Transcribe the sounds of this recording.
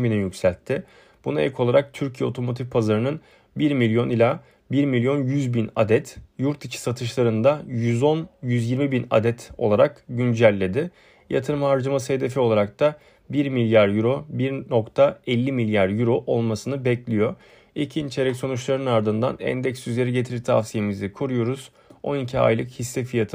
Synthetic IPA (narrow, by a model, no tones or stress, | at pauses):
binijycsælʲt̪ʰːɪ | b̥unaɛ̰lʲkʰo̞lˠaɾak̚t̪ʰyɾcʰijɛo̞t̪ʰo̞mo̞t̪ʰifpʰazaɾɯnɯn | biɾmilʲjo̞nilʲa | biɾmilʲjo̞njyzbina̰d̪ɛt̪juɾt̪it͡ʃʰi̥sat̪ʰɯʃlˠaɾɯnd̪ajyzo̞njyzjiɾmibina̰d̪ɛt̪ʰo̞̰lˠaɾakɟynd͡ʒælʲːe̞d̪ɪ | ja̰t̪ʰɯɾɯmhaɾd͡ʒamasɯhe̞d̪e̞fio̞lˠaɾak̚t̪ʰa | biɾmilʲjaɾjyɾo̞biɾno̞kt̪ʰaɛlʲːimilʲjaɾjyɾo̞ʔolˠmasɯnɯbɛclʲijo̞ | icʰint͡ʃʰeɾɛcso̞nut͡ʃlˠaɾɯnaɾd̪ɯnd̪a̰nɛ̰nd̪ɛcsyzlʲe̞ɾiɟe̞t̪ʰiɾit̪ʰa̰fsijemizɪkʰuɾujo̞ɾuz | o̞̰nicʰia̰jlˠɯkhisːɛfijat̪ʰɯ